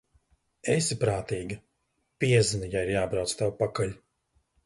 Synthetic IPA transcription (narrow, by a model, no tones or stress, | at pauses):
esipɾaːt̪iːɡɐ | pʲiɛznɨjaiɾjaːbɾawt̪st̪awpakalʲ